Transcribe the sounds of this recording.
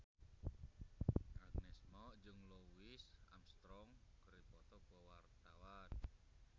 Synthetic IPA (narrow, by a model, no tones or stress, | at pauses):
aɡ̚nɛsmɔd͡ʒɨŋlowɪsa̰mst̪ɾɔŋkəɾipɔt̪ɔkwɔwart̪awan